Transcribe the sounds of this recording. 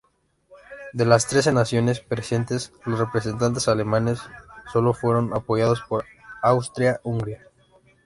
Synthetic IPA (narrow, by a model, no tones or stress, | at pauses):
d̪e̞last̪ɾe̞s̬e̞nasjo̞ne̞spɾesje̞nt̪e̞slosre̞pɾes̬e̞nt̪̬ant̪esale̞mane̞sːo̞lo̞fwe̞ɾo̞napo̞ʝaðo̞spo̞ɾ | awst̪ɾjauŋɡɾja